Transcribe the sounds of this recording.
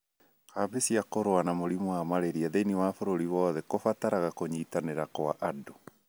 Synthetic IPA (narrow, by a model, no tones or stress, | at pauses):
kaβesiakoɾowanamoɾimwamaɾeɾiaðeiniwafoɾoɾiwɔðɛkofataɾaɣakoɲiːtaneɾakoa̰ʔado